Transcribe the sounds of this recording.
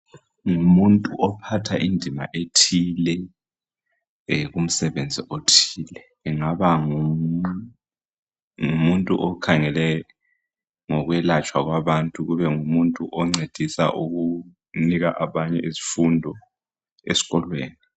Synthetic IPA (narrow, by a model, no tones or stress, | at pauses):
ŋumuntʼuʔɔpʰatʰaʔindʱima̰ʔetʰiːlɛ | ɣum̩sɛβend͡zʱiʔotʰiːlɛːŋaβaŋu | ŋumuntʼuʔɔkʰaŋɛlɛ | ŋɔɣwɛlat͡ʃʼwaɣwaβantʼuɣuβɛŋumuntʼuʔɔŋ͡ǀed̥ʱisa̰ʔuɣu | niɣaʔaβaɲɛʔezi̥fundʱɔ | ḛsi̥ɣɔlwḛːni